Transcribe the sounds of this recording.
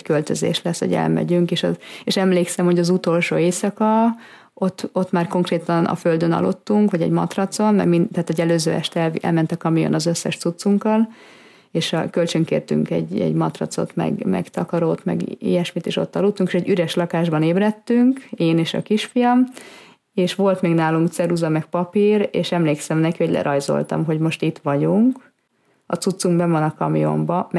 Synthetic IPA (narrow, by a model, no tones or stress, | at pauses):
kølt̪øzḛːʃlɛshoɟɛ̰lmɛ̰ɟyŋkeːʃɒ̰eːʃɛmleːksɛmho̞ɟɒzut̪o̞lʃo̰ːeːsɒkɒ | o̞t̪ːo̞t̪ːmaːrko̞ŋkreːt̪ɒnʔɒ̰føld̪ønɒ̰lo̰t̪ːuŋkʋɒɟɛ̰ɟmɒ̰t̪rɒt̪so̞nmɛ̰mint̪ɛaːt̪ɛɟɛløːzø̰ːɛ̰ʃt̪ɛlɛ̰lmɛnt̪ɒkɒmijo̰nɒzøsːɛʃt̪sut̪suŋkːɒl | eːʃɒkølt͡ʃøŋkḛːrt̪y̰ŋkɛ̰ɟɛ̰ɟmɒt̪rɒ̰t̪so̞̰t̪mɛ̰ɡmɛ̰ɡt̪ɒkɒɾoːt̪mɛ̰ɡḭjɛʃmit̪eːʃo̞̰t̪ːɒluːt̪ːuŋke̥ʃɛɟːyɾɛʃlɒkaːʒbɒneːbrɛt̪ːyŋkeːneːʃɒ̰kiʃfijɒm | eːʃʋo̞lt̪meːɡnaːluŋkt̪sɛɾuzɒmɛk̚pɒpireːʃɛmleːksɛmnɛkihoɟʲlʔɛ̰ɾɒjzo̞̰lt̪ɒ̰mɦo̞ɟmo̞ʃt̪it̪ʋɒɟuŋk | ɒt̪sut̪suŋɡbɛvonɒkɒmijo̞̰mbɒm